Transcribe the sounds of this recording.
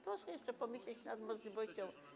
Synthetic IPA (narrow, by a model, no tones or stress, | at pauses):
pɾɔʂɛjɛʂt͡ʂɛpɔmʲɘɕʲlʲɛt͡ɕnad̪mɔʐlʲivɔɕt͡ɕɔ̃w̃